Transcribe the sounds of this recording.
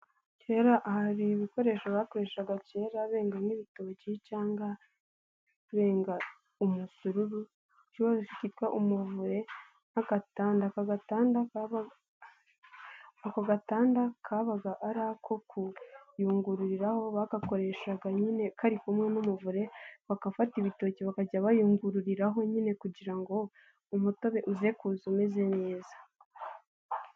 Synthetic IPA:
ce̞ːɾaʔhaɾiβiko̞ɾe̞ʃaβako̞ɾe̞ʃaɡace̞ːɾaβe̞ːŋɡamiβito̞ːɟicaːŋɡa | βe̞ːŋɡa | umusuɾuɾu | ciβaɾeʃicitkwaʔumuvuɾe̞ | aɡataːndakaɡataːnda | akaɡataːndakʰaβaɡaʔaɾaːkʰo̞kujuːŋɡuɾuɾiɾaho̞βakako̞ɾe̞ʃaɡaɲine̞kʰaɾikumŋe̞numuvuɾe̞βakafatiβito̞ːciβakaɟaβajuːŋɡuɾuɾiɾaɦo̞ɲine̞kuɟiɾaŋɡo̞ | umuto̞βe̞ʔuze̞kuːzumeze̞ne̞ːzḁ

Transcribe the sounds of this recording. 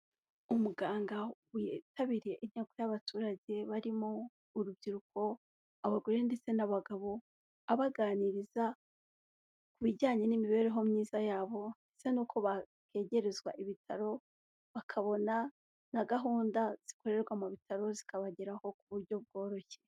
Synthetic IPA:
umuɡaːŋɡawetaβiɾieʔiɲ̥aɡuaβatʰuːɾaɟe̞βaɾimoː | ɾubɟiɾukʰo̞ | aβaɡoɾende̞t͡se̞naβaɡaβo̞ | aβaɡaːniɾiza | kuβiɟaːɲe̞nimiβe̞ɾeɦo̞mɲiːzajaːβo̞ndet͡se̞nuːkʰo̞βa | kʰe̞ːɟe̞ɾe̞zɡwa̰ʔiβitʰaɾo̞ | βakʰaβo̞na | naɡaɦuːndaz̥i̥ko̞ɾe̞ɾɡwamuβitʰaɾo̞zi̥kʰaβaɟeɾaho̞kuβuɾɟo̞b̚ɡo̞ːɾo̞çe̞

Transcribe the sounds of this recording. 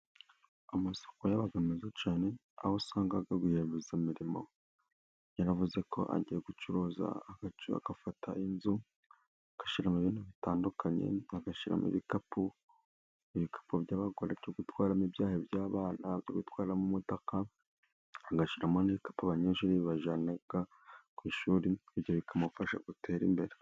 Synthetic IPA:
amaso̥kojaβaɡamizat͡ʃaːne̞ | a̰hosaːŋɡaɡaɡuheːmbezamiɾimo̞̰ | jaɾavuze̞kʰo̞̰ʔa̰ɟijeɡut͡ʃuɾoːza̰aɡaa̰ɡ̥afatʰainzu | aɡ̥aʃiɾamiβinuβitaːndukʰaɲe̞̰aɡaʃiɾa̰mḭβikapu | iβikʰḁpubɟaːβaɡoɾaɾɟoːɡutwaːɾamibjaːhebjaːβaːnaβjo̰ɡutwaːɾiɾamumutaka | aɡaʃiɾamoniβikḁpuaβaɲeːʃuːɾiβaʒanaɡ̥a | kwiːʃuːɾibɟioβikʰamufaʃa̰ɡutʰe̞ːɾḭmbe̞ɾe

